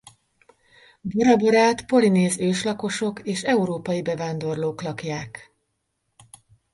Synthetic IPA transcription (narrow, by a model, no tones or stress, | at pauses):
bɒɾɒboɾaːt̪po̞lineːzøːʃlɒko̞ʃo̞keːʃɛuɾoːpɒjibɛvaːnd̪o̞rloːklɒkjaːk